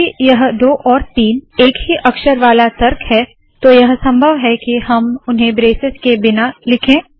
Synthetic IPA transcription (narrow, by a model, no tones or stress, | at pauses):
ijɐɦd̪oːʔɔːɾt̪iːneːkɦiʔɐkʃəɾʋaːlat̪ɐɾkɦɛ | t̪ojɐɦsɐ̃mbʱəʋɦɛkiɦɐmʊnɦẽbɾeːsɪskebɪnalɪkʰẽː